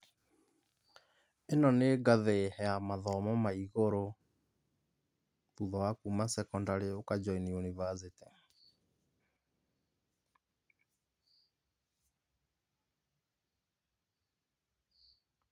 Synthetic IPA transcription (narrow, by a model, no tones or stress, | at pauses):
enɔneɡaðehɛamaðɔmɔmaiɣoɾo | puðɔwakumasɛkɔndaɾeokad͡ʒɔinionivazete